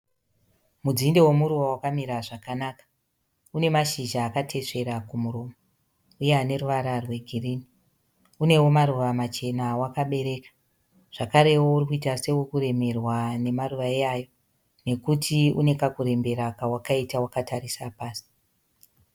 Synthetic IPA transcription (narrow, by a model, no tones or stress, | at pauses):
mud͡zindewe̞muɾuʋawakamiɾaʐakanakḁ | une̞maʃiʒaːkatʰe̞ʂe̞ɾakumuɾo̞ːma | ujeane̞ruʋaɾarwe̞ɡʱiriːni | une̞wo̞maɾuʋamat͡ʃe̞nawakaɓe̞ɾe̞kḁ | ʐ̥akaɾe̞wo̞urikuitase̞ukuɾe̞me̞rwane̞maruʋaeajo̞ | ne̞kutʰiune̞kakuɾe̞mbe̞ɾakawakaitawakatʰaɾisapaːsi̥